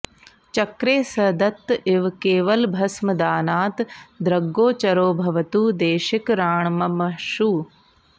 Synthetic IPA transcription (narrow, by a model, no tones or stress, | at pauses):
t͡ʃɐkɾeːsɐd̪ɐt̪ːɪʋkeːʋɐlbʱɐsmɐd̪aːnaːt̪d̪ɾɐɡːoːt͡ʃɐɾoːbʱɐʋɐt̪uːd̪eːʃɪkɾaːɳmɐmɐʃuː